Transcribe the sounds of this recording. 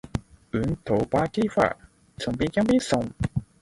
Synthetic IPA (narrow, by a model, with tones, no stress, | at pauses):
ʉ˨˦nt̪ʰo˨˩˦pa˧˥ke˥fa̰˧˩ | t͡sʰʊ˨˩ŋpi˧˥kja˥ŋpi˥sʊ˨˩ŋ